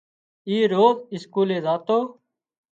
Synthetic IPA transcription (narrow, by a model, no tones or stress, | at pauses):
iːɾoːmɪskuːleːzaːt̪oː